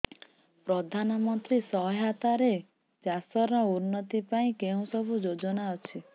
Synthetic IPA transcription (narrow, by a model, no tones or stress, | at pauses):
pɾɔd̪ʱanɔmɔnt̪ɾisɔɦɦat̪aɾe | d͡ʒasɔɾɔunːɔt̪ipaĩkeũsɔbʱud͡ʒod͡ʒɔnaɔt͡ʃʰi